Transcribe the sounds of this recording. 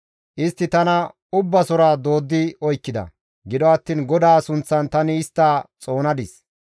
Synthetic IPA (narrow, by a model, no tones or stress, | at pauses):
ʔɪst̪ːɪt̪ɐnɐ | ʊbːɐsɔɾaːd̪o̞ːd̪ːɪɔjkːɪd̪ɐ̰ | ɡɪd̪ɔɐt̪ːiːnɡɔd̪aːsʊnt͡sːɐnt̪ɐnɪːst̪ːaːt͡sʼo̞ːnɐd̪ɪs